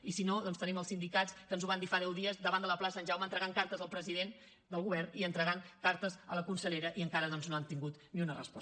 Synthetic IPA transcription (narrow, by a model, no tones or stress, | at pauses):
isinoðɔnst̪əniməlˠsind̪ikat͡skənzuβand̪ifaðɛwðiəzðəβand̪ələplasənʲʒawmənt̪ɾəɣaŋkaɾt̪əzəlˠpɾəziðen | d̪əlˠɣuβɛrniənt̪ɾəɣaŋkaɾt̪əzələkunsəʎeɾəʔiəŋkaɾəðɔnznoant̪iŋɡut̪niunərə̰spɔ